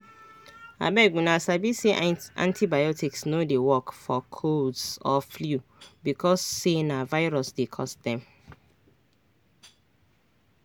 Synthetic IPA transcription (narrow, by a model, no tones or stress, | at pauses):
a̰bɛɡũnãsabiseã̰ntʰibajɔtiksnodewɔkfɔkʰodsɔfljubikʰɔsːenavaɪɹɔsdekʰɔ̰stdɛ̃m